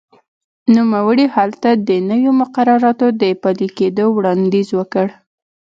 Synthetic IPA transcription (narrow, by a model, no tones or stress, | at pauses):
numawəɽihalt̪ad̪ənəwjomʊqaɾɑɾɑt̪od̪əpaliked̪owɽɑnd̪izwəkəɽ